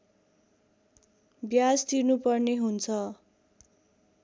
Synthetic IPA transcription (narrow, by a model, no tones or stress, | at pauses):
bjad͡zd̪inupʌrneɦunt͡sʰʌ